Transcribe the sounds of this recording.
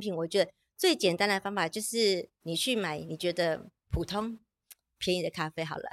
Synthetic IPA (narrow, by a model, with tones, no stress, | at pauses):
pʰi˨˩˦nwɔ˨˩t͡ɕɥɛ˧˥d̪ə˧ | t͡swe˥˩ɪt͡ɕjɛ˨˩nt̪a˥nd̪ə˨˩fa˥ŋfa˨˩t͡ɕjo˥˧ʊʂɻ̩˥˩ni˨˩t͡ɕʰy˥˩ma˨˩˦ɪni˨˩t͡ɕɥɛ˧˥d̪ə˧ | pʰu˨˩t̪ʰo˥ŋ | pʰjɛ˧˥ni˨˩d̪ə˩kʰa˥fe˥ɪxɑ̰˨˩ʊlə̰˦